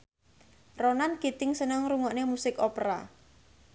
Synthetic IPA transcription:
ronankit̪ɪŋsənəŋɾuŋɔʔnemusɪkɔpɾa̰

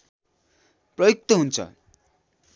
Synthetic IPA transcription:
prʌjuk̚t̪ʌɦunt͡sʰʌ̰

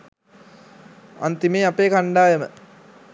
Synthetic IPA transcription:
a̰nt̪imeːapeːkaɳɖaːjəmə

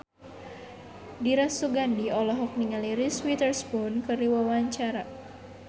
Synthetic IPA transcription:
diɾasuɡandiɔlɔɦɔk̚niŋaliɾiswit̪ərsbɔnkəriwawaɲt͡ʃaɾa

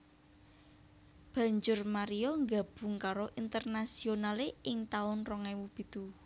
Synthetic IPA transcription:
b̥ä̤ɲd͡ʒʊrmaɾiɔŋɡab̥ʊ̤ŋkaɾoʔint̪ərnasionaleʔɪŋt̪aʊnrɔŋɛwub̥i̤t̪u

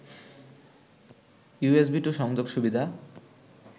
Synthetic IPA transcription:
jues̬biʈuʃɔŋd͡ʑoɡʃubid̪ʱa

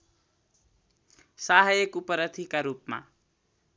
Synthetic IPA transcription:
saɦajekupʌɾʌt̪ʰikaɾupma̰

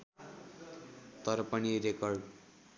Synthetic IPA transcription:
t̪ʌɾʌpʌniɾekʌrɖ

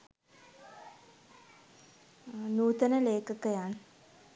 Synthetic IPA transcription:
nuːt̪ənəleːkəkəjan

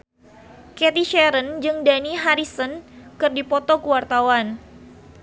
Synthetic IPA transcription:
kɛt̪iʃɛɾənd͡ʒɨŋdaniɦaɾisənkɨrdipɔt̪ɔkəwart̪awan

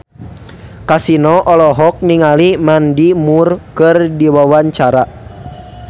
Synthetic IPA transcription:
kasinɔʔɔlɔɦɔk̚niŋalimandimurkɨrdiwawaɲt͡ʃaɾa

